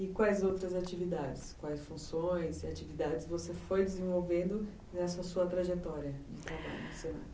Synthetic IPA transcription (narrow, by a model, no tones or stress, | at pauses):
ɪkwajzowt̪ɾɐzat͡ʃivid̪ad͡ʒɪskwajsfũsõj̃sɪat͡ʃivid̪ad͡ʒɪzvosefojd͡ʒɪzẽvowvẽnd̪ʊ | nɛsɐsuɐt̪ɾaʒet̪ɔɾiɐd͡ʒɪt̪ɾaba̰ʎʊse